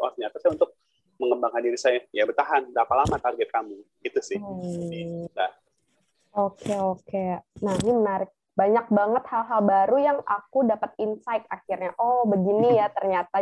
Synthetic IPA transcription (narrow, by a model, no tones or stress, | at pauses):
o̰ɾasɲat̪asajaunt̪ʊk̚ | məŋəmbaŋkandiɾisajajabərt̪aɦandapalamat̪arɡɛt̪̚kamuɡit̪usɪ | da | okʰeokenanimənaɾɪk̚ | baɲak̚baŋət̪̚halɦalbaɾujaŋʔa̰kudapət̪̚insaɪkakirɲaʔɔbəɡinijat̪ərɲat̪a